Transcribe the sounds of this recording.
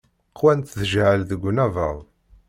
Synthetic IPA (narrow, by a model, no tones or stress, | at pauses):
qʰːwænt̪ðəʒʕəlðəɡʷːnævə̰ðˤ